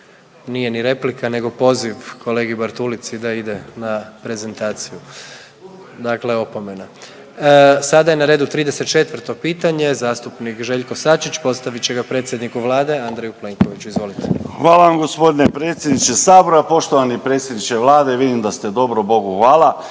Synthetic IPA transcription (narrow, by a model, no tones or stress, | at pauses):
nije̞niɾe̞plikane̞ɡo̞po̞ːziʋkʰo̞leɡiubaɾt̪ulit̪sid̪aid̪e̞napɾe̞ze̞nt̪aːt̪siju | d̪akle̞o̞pome̞na | sad̪ajenaɾe̞ːd̪ut̪ɾiːd̪eset̪̚t͡ʃe̞t̪ʋr̩t̪o̞piːt̪aɲe̞zaːst̪upnikʒe̞ʎko̞sat͡ʃit͡ɕpo̞t̪st̪aʋit͡ɕe̞ɡapɾe̞t̪sjed̪nikuʋlˠaːd̪e̞and̪ɾejuple̞ːŋkoʋit͡ɕuizʋo̞lit̪exʋaːlaʋamɡo̞spo̞d̪inepɾeːt̪sjed̪nit͡ʃesaːboɾapo̞ʃt̪oʋanipɾe̞t̪sʲjed̪nit͡ʃeʋlˠaːd̪eʋid̪imd̪ast̪ed̪o̞bɾobo̞ɡuxʋaːlˠa